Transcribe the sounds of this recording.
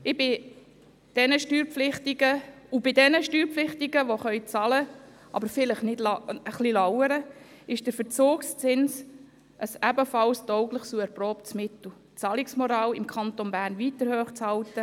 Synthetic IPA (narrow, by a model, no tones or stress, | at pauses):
ɪbɪ | d̥ɛnəʃtyːɾpflɪχtiɡə | ubɪdɛnəʃtyːɾpflɪχtiɡəʋoχœʏt͡sɑlə | ʔɑ̰bəɾfɪləχnɪdlɑəχlilɑwəɾə | ɪʃd̥əɾfəɾt͡soːkst͡sɪns | ʔəsæbəfɑlstɔʊɡləχsuɛɾprɔːptsmɪtl̩ | t͡sɑlɪksmɔɾɑːlɪmkʰɑnt̪onbæːɾnʋiːtəɾhøːχt͡shɑltə